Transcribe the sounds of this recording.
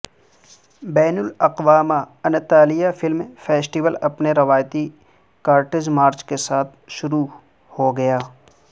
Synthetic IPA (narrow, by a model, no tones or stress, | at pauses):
bɛːnʊlɐqʋaːma | ɐnt̪aːlijafɪlmfɛːsʈiʋəlɐpneɾɐʋaːjt̪i | kaːɾʈɪd͡ʒmaːɾt͡ʃkesaːt̪ʰʃʊɾu | hoɡɐjaː